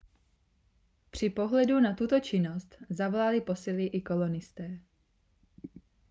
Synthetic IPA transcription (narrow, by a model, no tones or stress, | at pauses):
pr̝̥ɪpo̞ɦlɛdunat̪ut̪o̞t͡ʃɪno̞st̪zavolalɪpo̞sɪlɪʔɪko̞lo̞nɪst̪ɛː